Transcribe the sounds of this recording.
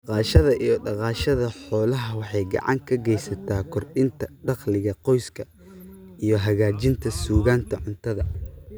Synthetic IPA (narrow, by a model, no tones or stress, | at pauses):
ɑqɑːʃɐðɐʔijɞɖɑqɑːʃɐðɐħɔːlɐɦɐwɑħɑjɡɑ̰ʕɑ̰ŋkʰɐɡɛjsɐt̪ʰaːkʰɔrɗɪnt̪ʰɐɖɑqlɪɣɐqɔjskʰɐ | ijɞɦɐɣaːt͡ʃɪnt̪ʰɐsuːɣaːnt̪ʰɐʕʊnt̪ʰɐðɐ